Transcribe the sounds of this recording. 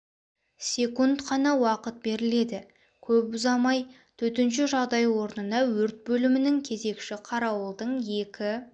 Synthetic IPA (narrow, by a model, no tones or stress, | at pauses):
sʲe̞kunt̪qʰɑnɑwɑqət̪̚be̞ɾɪle̞d̪ɪ | kʲʰɵp̚bʊzɑmɑj | t̪ʰɵt̪ɪnʃɪʒɑʁd̪ɑjwo̞ɾənənɑwɵɾt̪̚bɵlɪmɪnɪŋkʲʰe̞ze̞kʃɪqʰɑɾɑwəlˠd̪əɴje̞kʲɪ